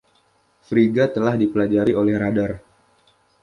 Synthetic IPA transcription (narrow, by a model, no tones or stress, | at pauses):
fɾiɡat̪əlahdipəlad͡ʒaɾiʔolɛhradar